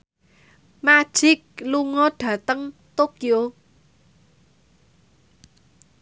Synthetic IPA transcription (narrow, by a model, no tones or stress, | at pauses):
mad̥ʒ̥ɪk̚luŋɔɖ̥ä̤t̪əŋt̪okio